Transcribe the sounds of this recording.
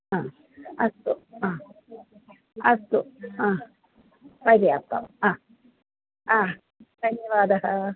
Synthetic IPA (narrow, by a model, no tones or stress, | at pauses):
ãː | ɐst̪uãː | ɐst̪uãː | pɐɾijat̪ːɐ̰mãː | aː | d̪̥ʱɐnjɐʋaːd̪ɐɦɐ